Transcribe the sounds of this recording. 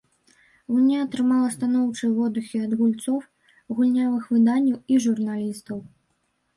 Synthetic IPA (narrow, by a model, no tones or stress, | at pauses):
nʲaɐt̪ɾɨmalˠɐst̪anɔwt͡ʂɨjvɔd̪uxʲiɐd̪ɣulʲt̪sɔw | ɣulʲnʲavɨxvɨd̪anʲːɐwiʐurnalʲist̪ɐw